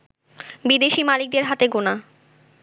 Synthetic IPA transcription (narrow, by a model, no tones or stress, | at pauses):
bid̪eʃimalik̚d̪eɾɦat̪eɡona